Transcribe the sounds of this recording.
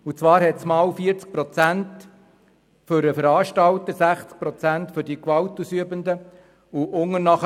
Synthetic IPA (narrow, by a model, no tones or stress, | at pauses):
ut͡sʋɑːɾhɛtt͡smɑːwfiəɾt͡sk̚pɾɔt͡sænt | fʏɾəfəɾɑːʃtɑwt̪əɾsæχt͡sk̚pɾɔt͡sæntfʏɾdikʋɑwtusyəbənd̪ə | uʔʊŋənɑχ